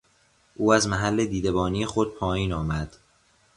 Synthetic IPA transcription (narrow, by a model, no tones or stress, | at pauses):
ʔuːæzmæɦælːed̪iːd̪ebɒːnijexod̪̥̚pʰɒːjiːnɒːmæd̪̥